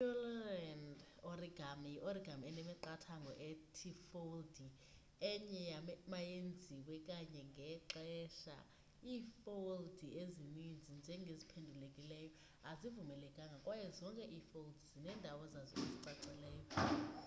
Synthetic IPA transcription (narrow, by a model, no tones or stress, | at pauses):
ɔlɛnd | oriɡ̥ʱamjiʔoriɡʱamɛnɛmɛǃatʰaŋɡʱɔ̰ʔɛtʰifowldi | ɛɲɛjamajend͡zʱiwɛkʼaɲɛŋɡʱɛǁɛʃa̰ | iːfoldʱiezimund͡zʱind͡ʒʱɛŋɡʱezipʰendʱulekʼilɛjɔ | azivumɛlɛkʼaŋɡʱakʼwajɛzɔŋkʼɛʔiːfoldizinɛːndʱawɛzazɔeziǀaǀɛlɛːjɔ